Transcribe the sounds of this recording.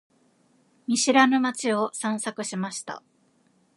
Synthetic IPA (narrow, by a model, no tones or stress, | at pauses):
mʲiɕiɾanɯmat͡ɕio̞sãɰ̃sakɯ̟ɕimaɕi̥t̪a̰